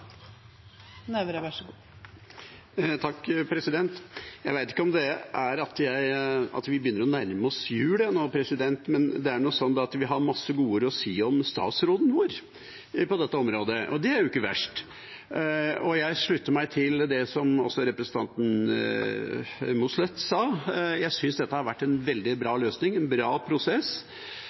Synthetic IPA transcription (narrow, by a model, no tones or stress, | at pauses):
nɛʋɾæʂɡ | t̪ʰɑkːpʰɾɛsɪd̪ɛnt̪jæɪʋæɪt̪ɪ̥kːəɔmd̪ɛʔæɾɑt̪jæɪɑ̰t̪ʋɪbəjʏnːəɾɔnæɾməɔsjʉːlɛnoːpʰɾɛsɪd̪ɛnt̪mɛnd̪ɛæɳusɔnːd̪ɑɑt̪ʋɪɦɑɾmɑsːəɡuːəɾəɔsiːɔmst̪ɑ̰ːt̪sɾoːd̪n̩ʋoːɾ | pɔd̪ɛt̪ːəɔmɾoːd̪əʔɔ̰d̪ɛæɾjʊɪkːəʋæ̰ʂʈ | ɔjæɪʂɭʉt̪ːəɾmæɪt̪ʰɪld̪ɛsɔmɔ̰sːɔɾɛpɾɛsən̩t̪ʰɑ̰nt̪n | mʊslɛt̪ːsɑːjæɪsʏnsd̪ɛt̪ːəhɑɾʋæʈːɛnʋɛld̪ɪbɾɑːløːsnɪŋɛnbɾɑːpʰɾʊsɛs